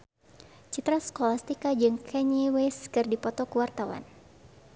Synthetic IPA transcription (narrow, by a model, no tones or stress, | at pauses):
t͡ʃit̪ɾaskɔlast̪ikad͡ʒɨŋkʰɛɲiweskɨrdipɔt̪ɔkuwart̪awa̰n